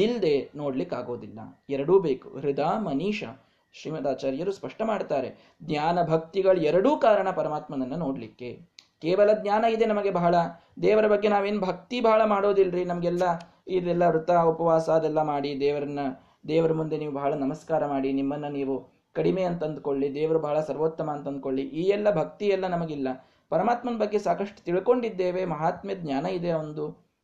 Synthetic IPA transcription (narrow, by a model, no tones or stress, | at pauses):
ild̪e̞no̞ːɽlikːaːɡo̞ːd̪ilːɐ̰ɛɾɐɽuːbeːkṵɦɾid̪aːmɐniːʂɐ̰ | ʃɾiːmɐt̪aːt͡ʃaːɾjɐɾuspɐʂʈɐmaːɖt̪aːɾe̞ | d̪ɲaːnɐbʱɐk̚t̪iɡɐɭuɛɾɐɽuːkaːɾɐɳɐpɐɾɐmaːt̪mɐnɐnːɐno̞ːɽlikːe̞keːʋɐlɐd̪nɲaːnɐid̪enɐmɐɡe̞bɐɦɐɭɐ | d̪ɛːʋɐɾɐbɐɡːe̞naːʋeːnubʱɐk̚t̪ibʱɐɦɐɭɐmaːɽo̞ːd̪ilːɾinɐmɐɡɛlːɐ | id̪ɛlːɐɾut̪aupɐʋaːsaːd̪ɛlːɐmaːɽid̪ɛːʋɐɾɐnːɐ | d̪ɛːʋɐɾɐmund̪e̞niːʋubɐɦɐɭɐnɐmɐskaːɾɐmaːɽinimːɐnːuniːʋu | kɐɽimeːɐnt̪ɐɐnd̪uko̞ɭːid̪ɛːʋɐɾubʱɐɦɐɭɐsɐɾʋoːt̪ːɐmaːnt̪ɐnd̪uko̞ɭːiʔiːɛlːɐbʱɐk̚t̪ijɛlːɐnɐmɐɡilːɐ | pɐɾɐmaːt̪mɐnɐbɐɡːe̞saːkɐʂʈu̥t̪iɭko̞ɳɖid̪ːeːʋe̞mɐɦaːt̪mjɐd̪ɲjaːnɐid̪eɐond̪u